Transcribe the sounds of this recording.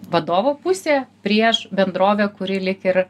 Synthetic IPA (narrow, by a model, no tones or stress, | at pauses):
ʋɐd̪oːʋoːpʊsʲeːpʲɾʲiɛʃbʲɛnd̪ɾoːʋʲɛːkʊɾʲɪlʲɪkɪɾ